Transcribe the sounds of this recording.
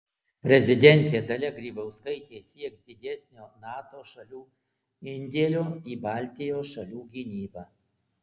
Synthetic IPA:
pʲɾʲɛzʲɪd̪ʲɛnʲt̪ʲeːd̪ɐlʲɛɡɾʲiːbɐʊskɐɪt̪ʲeːsʲiɛksd̪ʲɪd̪ʲɛsʲnʲoːnɑːt̪oːʃɐlʲuː | ɪnʲd̪ʲeːlʲoːiːbɑːˑlʲt̪ʲɪjoːsʃɐlʲuːɡʲɪnʲiːbɑː

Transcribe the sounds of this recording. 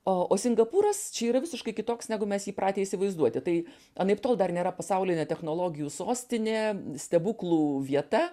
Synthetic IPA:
ooːsʲɪŋɡɐpuːɾɐst͡ʃʲɛiːɾɐʋʲɪsʲɪʃkɐɪkʲɪt̪oːksnʲæːɡʊmʲɛsjiːpɾʔɑːt̪ʲeːisʲɪʋɐɪzd̪uɔt̪ʲɪt̪ɐɪ | ɐnɐɪpt̪oːlˠd̪ɐrnʲeːɾɐpɐsɐʊlʲɪnʲɛt̪ʲɛxnoːlˠoːɡʲɪjuːsoːsʲt̪ʲɪnʲeːsʲt̪ʲɛbuːklˠuːʋʲiɛt̪ɐ

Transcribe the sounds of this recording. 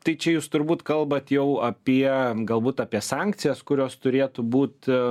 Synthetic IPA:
t̪ɐɪt͡ʃʲɛjuːst̪ʊɾbuːt̪kɐlˠbɐt̪jɛʊɐpʲiɛɡɐlˠbuːt̪ɑːpʲiɛsɑŋʲkt̪sʲɪjɛskʊɾʲoːst̪ʊɾʲeːt̪ʊbuːt̪

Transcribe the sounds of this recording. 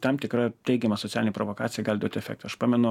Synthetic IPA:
t̪ɐmt̪ʲɪkɾɐt̪ʲɛɪɡʲɛmɐsoɔt̪ʲæːlʲɪnʲɛpɾʔoʋokɑːt̪sʲɪjɛɡɐlʲd̪uɔt̪ʲɛfʲɛ̰k̚t̪ːɐʃpɑːmʲɛnʊ

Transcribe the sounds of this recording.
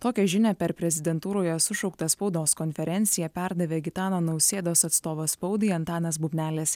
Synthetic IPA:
t̪oːkʲɛʒʲɪnʲɛpʲɛɾpʲɾʲɛzʲɪd̪ʲɛnt̪uːɾoːjɛsʊʃɒʊk̚t̪ɐspɒʊd̪oːskɔnʲfʲɛɾʲɛnʲt̪sʲɪjɛpʲæɾd̪ɐʋʲeːɡʲɪt̪ɑːnoːnɐʊsʲeːd̪oːsɐt̪st̪oːʋɐspɒʊd̪ɨɐnt̪ɑːnʲɐs̬bubʲnʲæːlʲeːs

